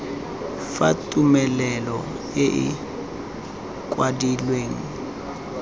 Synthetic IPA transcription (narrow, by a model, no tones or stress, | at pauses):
fatʼumɛlɛlɔ | ɪʔɪ̰ | kʼwadilweːŋ̩